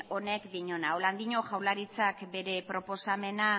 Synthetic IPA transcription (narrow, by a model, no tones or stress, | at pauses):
o̞ne̞kd̪iɲo̞naoland̪iɲo̞ʝawlaɾit͡sakbe̞ɾe̞pɾo̞po̞same̞na